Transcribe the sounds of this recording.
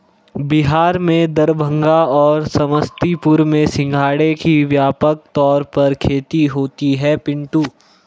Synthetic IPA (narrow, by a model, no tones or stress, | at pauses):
bɪɦaːɾmẽd̪ɐɾbʱə̃ŋɡaɔːɾsɐməst̪ipʊɾmẽsɪ̃ŋɡʱaːɽekiʋjaːpək̚t̪ɔːɾpɐɾkʰeːt̪iɦoːt̪iɦɛpɪ̃ɳʈuː